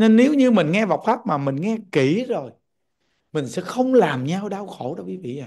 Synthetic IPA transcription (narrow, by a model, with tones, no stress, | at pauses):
ne˧nːe˨˦wɲɨ˧mï˨˩ŋ̟ŋɛ˧va˨˩wk͡p̚faː˦˥p̚maː˨˩mï˨˩ŋ̟ŋɛ˧ki˧˩˦zo˨˩j | mï˨˩ŋ̟sɛ̰˧˥xə˧wŋ͡mlaː˨˩mɲa˧wɗaː˧wxo˧˩˦ɗo˨˦kwi˨˦vḭ˧˨ʔa˨˩